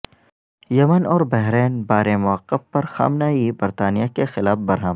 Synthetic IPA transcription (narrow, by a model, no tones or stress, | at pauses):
jɐmənɔːɾbɛɦɾeːnbaːɾemʊəqːəfːɐɾxa̰ːmnaːibɐɾt̪aːnijakexɪlaːfbɐɾɦəm